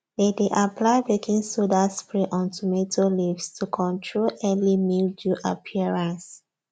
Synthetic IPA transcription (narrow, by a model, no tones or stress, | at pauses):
ledeʔapʰlaɪbekʰĩŋsudaspɹeʔɔ̃ntʰumetʰolivstʰukʰɔ̃ntʰɹolɛlimilduʔapʰiəɹãns